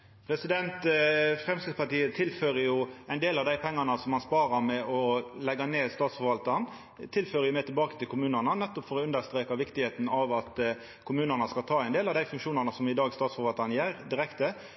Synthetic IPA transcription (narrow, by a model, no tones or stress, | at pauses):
pʰɾɛsɪd̪ɛnt̪fʁɛmskɪspɑʈiːət̪ʰɪlføːɾəjʊɛɪnd̪eːlɑʋd̪æɪpʰɛŋːɑnəsɔmɑnspɑːɾɑɾmɛɔlɛɡːɑneːst̪ɑːt̪sfɔɾʋɑlt̪ɑɾn | t̪ʰɪlføːɾəjʊmɛːt̪ʰɪlbɑːkət̪ɪlkʰʊmʉːnənənɛt̪ːɔpfɔɾɔʉnd̪əɾst̪ɾeːkɑʋɪkt̪ɪheːt̪n̩ɑʋɑt̪ | kʰʊmʉːnənəskɑlt̪ʰɑːɛɪnd̪eːlɑʋd̪æɪfʉŋkʃuːnɑnəsɔmɪd̪ɑːɡst̪ɑːt̪sfɔɾʋɑlt̪ɑnjæːɾd̪ɪɾɛkt̪ə